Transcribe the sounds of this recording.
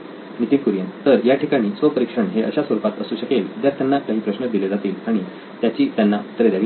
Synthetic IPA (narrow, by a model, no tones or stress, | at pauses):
nit̪ikuɾjãnt̪əɾjaʈʰikaɽ̃iːsʋəpəɾikʂəɳɦeʔə̰ɕasʋəɾupat̪əsuːɕəkeld̪jaɾt̪janːakaɦiːpɾəɕnəd̪iled͡zat̪iːlaɽ̃i | t̪jat͡ɕiːt̪janːat̪əɾed̪jaɾi